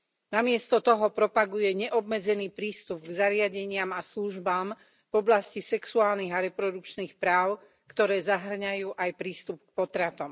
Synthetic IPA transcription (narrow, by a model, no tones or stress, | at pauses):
namɪɛst̪ɔt̪ɔɦɔpɾɔpaɡujɛɲɛʔɔbmɛd͡zɛniːpɾiːst̪ubɡzaɾɪaɟɛɲɪamasluʒbaːm | v̥ɔblascisɛksuaːlniɣaɾɛpɾɔd̪ukt͡ʃniːxpɾaːʊ | kt̪ɔɾɛːzaɦr̩ɲajuːʔajpɾiːst̪up̚k̚pɔt̪ɾat̪ɔm